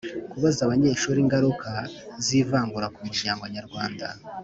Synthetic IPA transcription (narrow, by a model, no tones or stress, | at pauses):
kuβazaβaɲe̞ːʃuɾiːŋɡaɾukaziːvaːŋɡuɾakumid͡ʒaːŋɡaɲaɾɡwaːnda̰